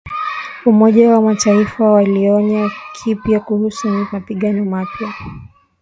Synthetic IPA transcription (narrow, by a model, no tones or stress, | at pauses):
umɔʄawamataifawaliɔɲakʰipjakuhusumapiɠanɔmapja